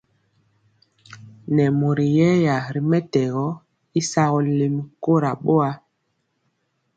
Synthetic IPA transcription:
nɛ˨mo˨ɾi˨jɛ˦ja˨ɾi˨mɛ˦tɛ˨ɣɔ˨˦ | i˦sa˦ɣɔ˨li˨m˦ko˦ɾa˨ɓo˦a˦

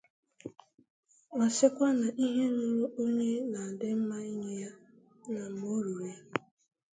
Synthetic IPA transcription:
a˨sɪ˦kʷa˦na˨ʔi˦ɦe˦nʊ˦ɾu˦ʔo˦ɲe˦na˨dɪ˦m̩˦ma˦i˦ɲe˦ja˦ | na˨m̩˨o˦ɾu˨ɾe˦

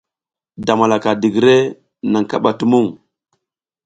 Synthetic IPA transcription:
da˨ma˨la˨ka˨di˨ɡɾe˦ | na˨ŋka˦ɓa˨tu˦mu˦˨ŋ

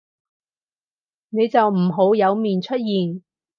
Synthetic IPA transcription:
ne˨˧jt͡sɐ˨wm̩˨˩ɦo˨˥wjɐ˨˧wmiː˨nt͡ʃʰɵ˥t̚jiː˨n

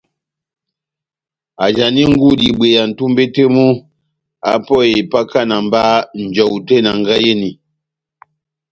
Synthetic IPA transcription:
a˨d͡ʒa˨ni˦ŋ̩˦ɡu˦˨di˨be˨ja˨n̩˨tu˦mbe˦te˦mu˦ | a̰˦pɔ˦˨je˨pa˦ka˦˨na˨m˦ba˦n̩˨d͡ʒɔ˨wu˨te˦na˨ŋɡa˦je˦ni˨

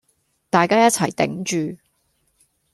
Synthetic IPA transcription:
t̪aː˨jkaː˥jɐ˥t̚t͡sʰɐ˨˩jt̪ɪ̰˨˥ŋt͡ʃyː˨

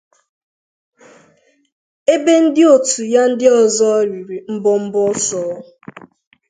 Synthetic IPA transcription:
e˦be˦n̩˦dɪ˦o˨tʰu˨ja˦n̩˦dɪ˦ɔ˨zɔ˦ɾi˨ɾi˨m̩˦bʊ˦m̩˦bʊ˦sɔ˨˦

